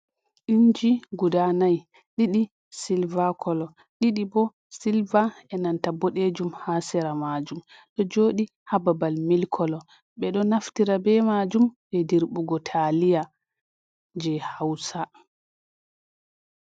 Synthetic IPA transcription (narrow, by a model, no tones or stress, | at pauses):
ʔiɲd͡ʒiɡudanaj | ɗiɗi | silvakʰɔlɔ | ɗiɗibɔ | silvaɛnantabɔɗed͡ʒumhasɛɾamad͡ʒum | ɗɔd͡ʒoːɗi | hababalmilkʰɔlɔ | ɓɛɗɔnaftiɾabɛmad͡ʒumɓɛdiɾɓuɡɔtʰalija | d͡ʒɛhawsa